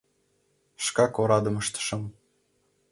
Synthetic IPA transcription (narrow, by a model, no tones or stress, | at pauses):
ʃkɑkoɾɑd̪ɤ̆mɤʃt̪ə̥ʃɤ̆m